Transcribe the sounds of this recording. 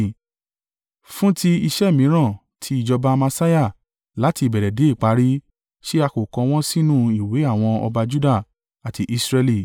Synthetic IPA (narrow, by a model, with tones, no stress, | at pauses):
fũ˦tʰi˦i˧ʃɛ˦˨mĩ˨˦ɾ̃ã˦˨ | tʰi˨˦i˦˨d͡ʒɔ˧ba˧mã˧sa˦ja˦˨ | la˨˦ti˧˨bɛ˨ɾɛ˨de˨˦i˦˨k͡pa˨˦ɾi˦ | ʃi˦a˧ko˨kɔ̃˧w̃ɔ̃˦sĩ˦nũ˦˨i˨we˨˦a˦˨w̃ɔ̃˧ɔ̰˧ba˧d͡ʒu˦da˦˨ | a˨tʰi˧˦ʔi˧sɾɛ˧li˧˨